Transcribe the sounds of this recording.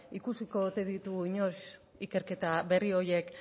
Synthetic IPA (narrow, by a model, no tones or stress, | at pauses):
ikusiko̞ðut̪e̞ðit̪uɣiɲo̞s | ike̞ɾke̞t̪aβe̞rio̞je̞k